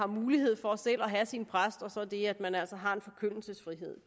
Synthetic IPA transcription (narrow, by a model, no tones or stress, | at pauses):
ɑ̈muːlihe̝ð̞̰ˠfɒ̽sel̰ɒɦæsinpʰʁasd̥ɒ̽sɒ̽d̥e̝æd̥mænæl̰sɐɦɑ̈e̝nfɒ̽kʰøn̰l̩səsfʁiɦe̝ð̞̰ˠ